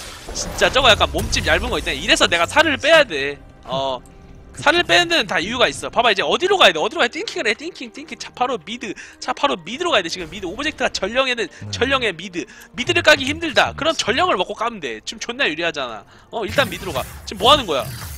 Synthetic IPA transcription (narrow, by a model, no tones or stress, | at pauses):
t͡ɕint͡ɕ͈at͡ɕ͈ʌŋʌjak͈anmomt͡ɕ͈ibjaɭbɯnɡʌit͈eneiɾe̞sʰʌne̞ɡasʰaɾɯɭp͈e̞jade̞ | ʌ | sʰaɾɯɭp͈e̞jadɯnɯntaijuɡais͈ʌpabaid͡ʑe̞ʌdiɾoɡajedeʌdiɾoɣaet͈ʰʼiŋkʰiŋɯɾet͈iŋkʰiŋt͈ʰiŋkʰiŋt͡ɕʰḁpʰaɾomidɯt͡ɕʰapʰaɾomidɯɾoɣaedet͡ɕiɡɯmːidɯobʌd͡ʑʰektʰɯɡat͡ɕʌʎːʌŋe̞nɯnt͡ɕʌʎːʌŋe̞midɯmidɯɾɯk͈aɡiçimdɯɭda̰kɯɾʌnt͡ɕʌʎːjʌŋɯɭmʌk͈ok͈aɯnde̞t͡ɕomt͡ɕonːajuɾiɦad͡ʑana̰ | ʌiɭt͈anmidɯɾoɡa̰t͡ɕimːoɦanɯnɡʌjo̰